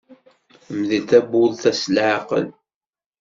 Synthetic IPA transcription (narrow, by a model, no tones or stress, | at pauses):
mðilt̪æbulθæslʕaqə̰l